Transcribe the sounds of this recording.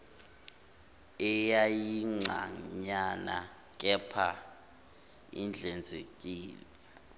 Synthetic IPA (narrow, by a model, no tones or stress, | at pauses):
ɛjajiŋ͡ǀʱa̰ɲana̰ | k̬ʼɛpʰa | ḭnd͡ɮʱɛnd͡zʱekʼiːlɛɛ